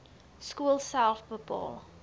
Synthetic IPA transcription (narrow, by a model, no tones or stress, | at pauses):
skuəlˠsælˠfbəpɑ̰ːlˠ